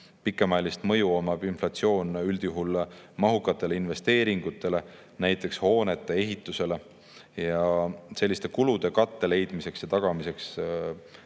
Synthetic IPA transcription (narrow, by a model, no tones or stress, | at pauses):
pikːˑemɑelist̪mɤ̞juomɑb̥inflɑt̪sio̞ːnyld̪̥juɦulmɑɦukːˑɑt̪ːˑe̞leinve̞st̪e̞ːɾiŋɡ̥ut̪ˑːe̞le̞ | næjt̪ːˑe̞ksho̞ːne̞t̪ːˑe̞e̞ɦit̪ːˑuse̞le̞ | jɑse̞lːist̪e̞kulud̪̥e̞kɑt̪ːe̞le̞jd̪̥mise̞ksjɑt̪ɑɡ̥ɑmise̞ks